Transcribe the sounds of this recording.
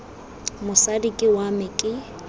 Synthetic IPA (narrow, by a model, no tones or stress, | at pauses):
mʊsadikʼɪwamɪkʼɪ